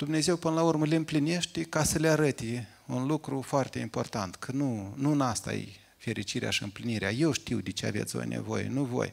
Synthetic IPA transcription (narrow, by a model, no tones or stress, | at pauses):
d̪̥umne̞ze̞wpɨnəlaurməleɨmpline̞ʃt̪ekasəleaɾət̪e | unlukɾufoart̪e̞impo̞̰rt̪ant̪kʰənunuɨnast̪a̰jḛj | fe̞ɾit͡ʃiɾea̰ʃiɨ̰mpliniɾeaje̞wʃt̪iwd̪et͡ʃea̰vet̪sʲo̰jnḛvo̞̰jḛnuvo̞̰j